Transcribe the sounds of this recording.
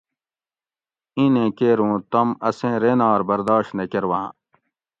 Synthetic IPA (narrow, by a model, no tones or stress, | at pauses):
ĩːnẽːkeːɾũːt̪ɐmɐsẽːɾeːnaːɾbɐɾd̪aːɕt̪nekeɾwã̰ː